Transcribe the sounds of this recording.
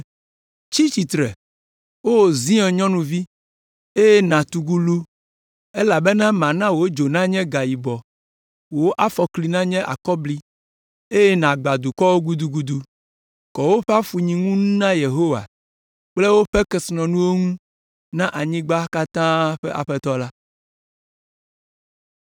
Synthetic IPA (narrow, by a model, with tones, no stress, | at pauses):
t͡ʃi˦t͡ɕi˨t̪ɾɛ˨ | wo˦wo˨zĩ˦ɛ̃˨ɲɔ̃˦nũ˨vi˦ | e˦je˦nã˨t̪u˨ɡu˦lu˦ | e˦la˨be˦nã˦mã˨nã˦wo˨˦d͡ʒo˨nã˦ɲɛ̃˦ɡa˨ji˨bɔ˨ | wo˦ʔa˦fɔ˨kli˨nã˦ɲɛ̃˦ʔa̰˨kɔ˦bli˦ | e˦je˦nã˨ɡ͡ba˨d̪u˨kɔ˦wo˦ɡu˦d̪u˨ɡu˨d̪u˨ | kɔ˨wo˦ɸɛ˦a˦fu˨ɲĩ˨ŋũ˦nũ˦nã˦je˨ɦo˦wa̰˨ | k͡ple˦wo˦ɸɛ˦kɛ˨snɔ̃˨nũ˦wo˦ŋũ˦ | nã˦ʔa˨ɲĩ˦ɡ͡ba˦ka˦t̪ã˦ɸɛ˦ʔa̰˨ɸɛ˦t̪ɔ˦la˦